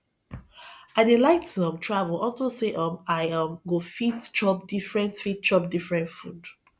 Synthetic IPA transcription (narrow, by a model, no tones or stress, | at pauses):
adelaɪtɔ̃mtʰɹavulɔtoseʔɔ̃maɪãmɡofitt͡ʃɔp̚difɹɛ̃ntfit̚t͡ʃɔpdifɹɛ̃ntfud